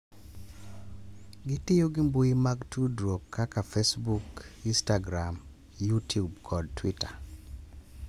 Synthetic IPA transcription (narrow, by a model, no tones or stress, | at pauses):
ɡɪtɪjoɡɪmbojimaɡtudɾokʰːakafesbukinstaɡɾam | jutjubkʰɔd̚twita